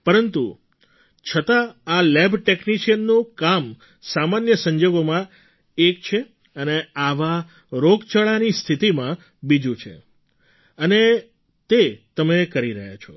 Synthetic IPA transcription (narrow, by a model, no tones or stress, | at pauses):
pəɾənt̪ṵ | t͡ʃʰət̪aːlebʈekniʃiənːũkam | samanjəsəɲd͡ʒoɡomã | ek̚t͡ʃʰe | əneaʋa | ɾokt͡ʃəɭanist̪ʰit̪imã | bid͡ʒũt͡ʃʰḛ | əne | t̪et̪əmekəɾiɾəɦja̰t͡ʃʰɔ